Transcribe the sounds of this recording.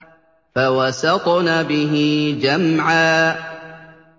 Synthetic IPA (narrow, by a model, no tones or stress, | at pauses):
fawasɑqnaːbɪɦid͡ʒamʕaː